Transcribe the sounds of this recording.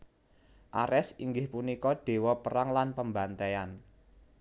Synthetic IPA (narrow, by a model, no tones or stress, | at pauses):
ʔa̰ɾɛsiŋɡɪhpunikɔɖ̥e̤wɔpəɾaŋlanpəmbant̪ean